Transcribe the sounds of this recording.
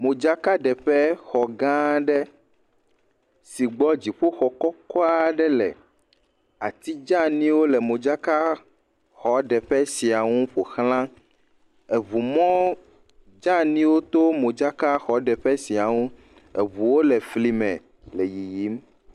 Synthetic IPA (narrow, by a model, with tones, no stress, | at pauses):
mõ˨d͡ʒa˦ka˦ɖɛ˨ɸɛ˦xɔ˨ɡã˦ɖɛ˦ | si˨ɡ͡bɔ˦d͡ʑi˨ɸo˦xɔ˨kɔ˦kɔ˦a˦ɖɛ˦lɛ̰˨ | a̰˨t̪i˦d͡ʒã˦nĩ˦wo˦lɛ˨mõ˨d͡ʒa˦ka˦ | xɔ˨˦ɖɛ˨ɸɛ˦si˨a˨ŋũ˦ɸo˨xlã˦ | e˨βu˨mɔ̃˦ | d͡ʒã˦nĩ˦wo˦t̪o˦mõ˨d͡ʒa˦ka˦xɔ˨˦ɖɛ˨ɸɛ˦si˨a˨ŋũ˦ | ḛ˨βu˨wo˦lɛ˨fli˨mɛ̰̃˨ | lɛ˨ji˨ji˨˦m